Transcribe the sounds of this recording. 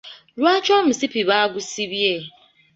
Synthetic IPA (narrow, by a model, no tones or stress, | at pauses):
ɾwat͡ʃɔm̩sipiβaɡʊsibje